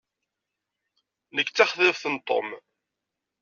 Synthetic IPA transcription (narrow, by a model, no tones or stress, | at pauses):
nəkːt͡sːaχðəvθənt̪ˤːo̰m